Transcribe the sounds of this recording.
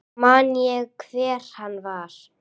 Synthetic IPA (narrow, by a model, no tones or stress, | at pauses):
maːnjɛɣkʰvɛːɾ̥hanːvaɾ̥